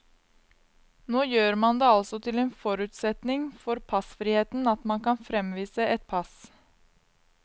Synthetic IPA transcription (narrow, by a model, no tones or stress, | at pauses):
noːjøːɾmɑnd̪eːɑlsɔt̪ʰɪleːnfɔɾʉːt̪sɛt̪nɪŋfɔɾpʰɑsfɾiːheːt̪n̩ɑt̪mɑnkɑnfɾɛmʋiːsəɛt̪̚pʰɑs